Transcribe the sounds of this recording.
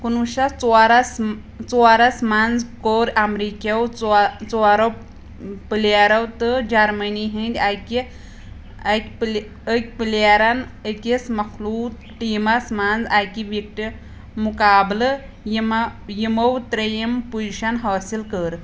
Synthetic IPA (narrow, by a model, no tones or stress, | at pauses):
kunuɕat͡saɾas | t͡sɔaɾasmand͡zkoɾamɾikewt͡st͡sɔaɾaw | piljaɾawt̪əd͡ʑaɾməniɦĩnd̪ʲajki | akʲpl | ək̚ʲpiljaɾanəkʲesmɐkʰluːt | ʈimasmand͡zajkiʋik̚ʈi | mukaːblə | jimjiməwt̪ɾɐjəmpujɕanɦaːsilkəɾ